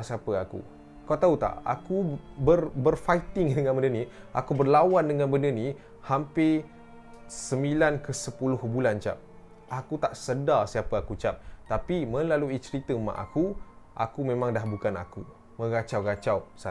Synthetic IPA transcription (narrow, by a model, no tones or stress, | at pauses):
siapəakṵ | kawt̪aut̪a̰ʔa̰kubərbərfait̪ɪŋdəŋanbəndənĩa̰kubərlawandəŋanbəndənĩ | hampɪ | səmilankəsəpulʊhbulant͡ʃa̰p̚ | ʔakut̪aʔsədasiapəakut͡ʃap̚t̪apimə̃laluit͡ʃəɾit̪əma̰ʔa̰kuʔa̰kumẽmãŋdahbukana̰ku | mə̃ɡat͡ʃawɡat͡ʃawsa